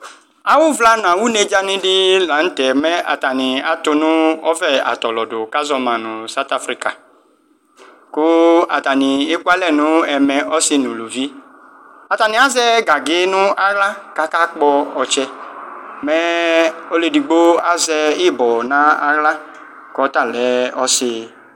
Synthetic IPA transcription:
a˨wʊ˦vla˦nã˨wu˦ne˧d͡ʒa˦nɪ̃˦dɪ˦la˨˦n̩˦tɛ˨mɛ˦a̰˨ta˨nɪ˨a˨tʊ˧nʊ̃˦ɔ˦vɛ˦a̰˨tɔ˨lɔ˨dʊ˨ka˦zɔ˧mã˨nʊ̃˨sa˦t̪a˦fɾi˦ka˨ | kʊ˦a˨ta˨nɪ˨e˦ku˦a˦lɛ˦˨nʊ̃˦ɛ˨mɛ̃˨ʔɔ˦sɪ˦nũ˨lu˨vi˦ | a˨ta˨nĩ˨a˨˦zɛ˦ɡa˨ɡɪ˦nũ˦a˦ɣla˦ka˦ka˦k͡pɔ˧ɔ˨t͡ʃɛ˧ | mɛ˦o˦le˧di˨ɡ͡bo˦a˦zɛ˧i˦˨bɔ˨nã˦a˦ɣla˦ | kɔ˨˦ta˦˨lɛ˨˦ɔ˦sɪ˧

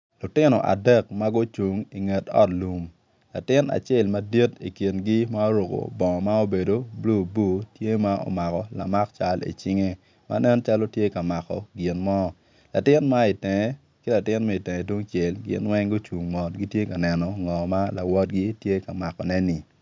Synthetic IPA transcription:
lʊ˨tɪ˦nɔ̰˨ʔa̰˨dɛ˦˨k̚ma˦ɡʊ˦t͡ʃu˨ŋi˨ŋe˨tɔ̰˦tlu˨m | la̰˨tɪ˦na̰˨t͡ʃe˦˨lma˦di˦ti˨ki˨nɡi˦ma˦o˦ɾo˨ko̰˨bɔ˨ŋɔ˨ma˦o˦be˨do˨blu˨bu˦˨tje˦ma˦o̰˨ma˨kɔ˨la̰˨ma˦kt͡ʃa˦lḭ˨t͡ʃi˦ŋe˦ | ma̰˦nɛ˦nt͡ʃa˦lo˦tje˦ka˨ma˨kɔ̰˨ɡi˨nmɔ˦ | la˨tɪ˦nma˦i˨tɛ˨ŋɛ˦ | kɪ˦la˨tɪ˦nma˦i˨tɛ˨ŋɛ˨dwo˦ŋt͡ʃe˨lɡɪ̰˦nwɛ˦ŋɡo˦t͡ʃu˨ŋmɔ˨tɡi˦tje˦ka˨nɛ˨nɔ˨ŋɔ˨ma˦la˨wɔ˦t̚ɡi˦tje˦ka˨ma˨kɔ˨nɛ˦nɪ˨

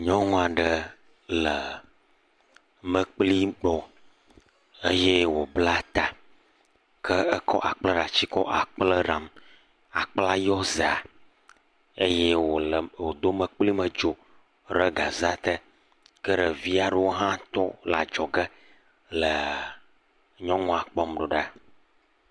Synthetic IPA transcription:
ɲɔ̃˦ŋũ˦a˨ɖə˨ | lə˨ | mə̃˦˨k͡pli˦ɡ͡bɔ˨ | ə˦jɛ˦wo˨bla˦t̪a˨ | kʰə˦ə˦kɔ̰˦ʔa˨k͡plə˦ɾa˨t͡ɕi˦kɔ˦ʔa˨k͡plə˦ɾa˨m | a˨k͡pla˦jɔ˦zə˨a˨ | e˦je˦wo˨wo˨d̪o˦mə̃˨k͡pli˦mə̃˨d͡ʒo˨ | ɾə˦ɡa˨za˦t̪ə˦ | kə˦ɖə˨vi˦a˨ɖə˨˦wo˦ɦã˦t̪ɔ˦la˨d͡ʒɔ˨ɡə˦ | lə˨ | ɲɔ̃˦ŋɔ̃˦˨a˨k͡pɔ˦mɖɔ˨ɖa˦

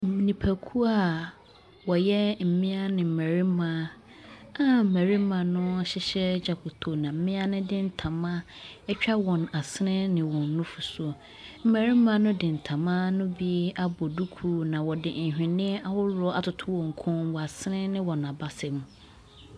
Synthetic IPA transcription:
m̩˨mĩ˨nĩ˨pʰæ˨kʰu˦a˦˨ | wɔ˨jɛ˦m̩˨mɪ̃˦a˦nɪ̃˨m̩˨mæ˨ɾi˦mã˨˦ | a˨m̩˨mæ˨ɾi˦mã˨nʊ̃˦˨ɕɪ˦ɕɛ˦d͡ʑa˨kʰʊ˨tʰo˨nã˨m̩˦mɪ̃˦a˦nʊ̃˦dɪ̃˦n̩˦tʰã˨mã˦ | ɛ˦t͡ɕᶣa˦wɔ̃˨na˨sɪ˦nɪ̃˦nɪ̃˨wɔ̃˨nːʊ̃˦fu˨so˨ | m̩˦˨mæ˨ɾi˦mã˦nʊ̃˦dɪ̃˨n̩˨tʰã˨mã˦nʊ̃˦bi˦a˦bɔ˨du˦kʰu˦nã˨wɔ˨dɪ˨ɲ̩˨hᶣɪ̃˨nɪ̃˦a˦wʊ˦lɔ˦a˨tʰʊ˨tʰʊ˦wɔ̃˨ŋ̩˨kʰʊ̃˦nwɔ˨a˨sɪ˦nɪ̃˦nɪ̃˦wɔ˨nã˨ba˦sɛ̃˨m

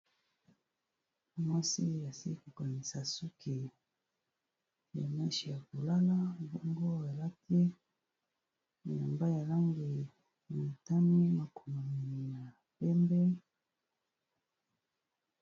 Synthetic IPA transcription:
mwa˦si˦a˨si˦ko˨ka˨ni˨sa˨su˦kʰi˨ | ja˨ma˦ʃi˨ja˨ko˨la˦la˦bɔ˦ŋɡo˦a˨la˦tʰi˦ | n˨ja˨mba˦ja˨la˦ŋɡi˨ | na˨ta˦mi˦ma˨ko˨mo˨mi˨ni˨ja˨ | pɛ˦mbɛ˦

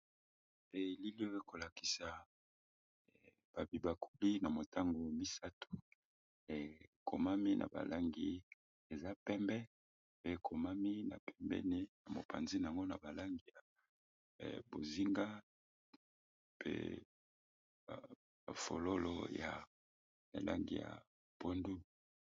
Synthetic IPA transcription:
e˨li˦li˦o˦e˦ko˨la˨ki̥˨sa˨ | b̥a˨bi˨ba˨ku˦li˦na˨mo˨ta˦ŋɡo˨mi˦sa˦tʰu̥˨ | kʰo̰˨ma˦mi˦nʔa̰˨ba̰˨lʔa˦ŋɡḭ˦ | e˨za˦pɛ˦mbɛ˦ | pe˦kʰo˨ma˦mi˦na̰˨pɛ˦mbɛ̰˦ni˦na˨mo̰˨pʰa̰˨nzi˦na˨a˨ŋɡo˦na̰˨ba˨la˦ŋɡi˨ja̰˨ | bo˨zi˦ŋɡa˦ | pʰḛ˦˨ | a˨fo̰˨lo˦lo̰˦ja˨ | ḛ˨la̰˦ŋɡḭ˨ja̰˨ | po˦ndu˦

